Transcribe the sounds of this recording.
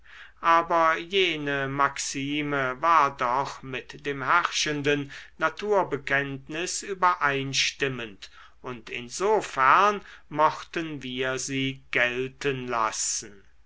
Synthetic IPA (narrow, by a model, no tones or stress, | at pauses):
ʔaːbɐjeːnəmaksiːməvaːɐdɔχmɪtd̥eːmhæʁʃəndənːatʰuːɐbəkɛntnɪsyːbɐʔaɪnʃtɪmə̃nt | ʔʊntɪnzoːfæɐnmɔχtənviːɐziːɡ̥ɛltənla̰sn̩